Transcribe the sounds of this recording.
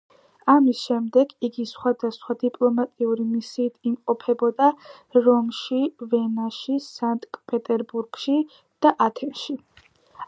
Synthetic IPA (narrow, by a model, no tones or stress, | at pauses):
amisʃɛmd̪ɛɡiɡisχwad̪asχwad̪ipʼlˠɔmat̪ʼiuɾimisiːt̪ʰimqʼɔpʰɛbɔd̪aɾɔmʃivɛnaʃisant̪ʼkʼpʼɛt̪ʼɛɾbuɾɡ̥ʃi | d̪̥aʔat̪ʰɛmʃi